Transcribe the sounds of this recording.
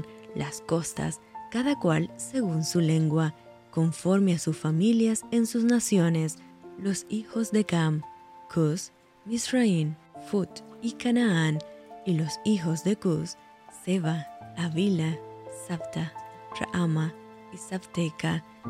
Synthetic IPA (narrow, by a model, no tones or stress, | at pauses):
nlʔasko̞st̪a̰skaðakwalse̞ɣunsule̞ŋɡwa | koɱfo̞ɾmeasusfamiljasensusnasjo̞ne̞slo̞sixo̞zðe̞kamkʰus | misrainfut̪ikanaanilo̞sixo̞zðe̞kusː | eβaːβilasaβt̪ara̰ʔama | isaβt̪eka